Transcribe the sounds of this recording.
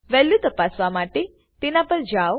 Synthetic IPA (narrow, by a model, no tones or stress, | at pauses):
ʋɛljut̪əpasʋamaʈe | t̪enapəɾd͡ʒaw